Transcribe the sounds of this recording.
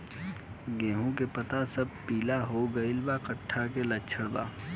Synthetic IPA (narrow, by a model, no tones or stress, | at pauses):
ɡẽːɦũkepɐt̪asɐb̚piːlaɦoɡɐɪlbakəʈʰːakelɐtːt͡ʃʰəɽd̪a̰ː